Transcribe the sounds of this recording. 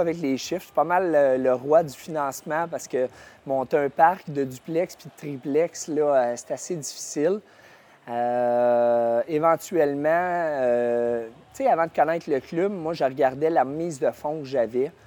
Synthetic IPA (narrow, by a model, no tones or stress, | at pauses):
avɛk̬leːʃɪfsɛ̥pɑmaləːəʁwad̪y̥finɑ̃ːsmãpaʁsə̥kəmɔ̃t̪ɛ̃paʁkd̪əd̪yplɛkspid̪ət̪ʁiplɛkslɔøse̥t̪ased̪d͡z̪ifi̥sɪl | ø | evɑ̃t̪yɥɛlmãø | t͡seavãd̪əkɔnɛɪt̪χləklʉbmwaʒəʁɡʲaʁd̪ɛlamiːzd̪əfɔ̃ʒavɛ